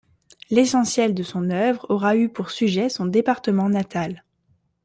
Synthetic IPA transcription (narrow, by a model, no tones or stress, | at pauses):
lesɑ̃sjɛld̪əsɔ̃nœvʁɔʁaypuʁsyʒɛsɔ̃d̪epaʁt̪əmɑ̃nat̪al